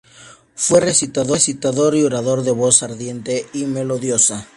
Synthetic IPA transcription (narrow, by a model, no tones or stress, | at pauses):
fweresit̪aðo̞sit̪aðoɾioɾaðoɾðeβosaɾðje̞nt̪eimeloðjosa